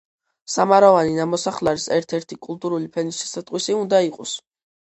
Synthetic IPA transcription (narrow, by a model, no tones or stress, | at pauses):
samaɾɔvaninamɔsaχlaɾisɛɾt̪ʰɛɾt̪ʰikʼulˠt̪ʼuɾulipʰɛnisʃɛ̥sat̪ʼqʼwisiund̪aiqʼɔs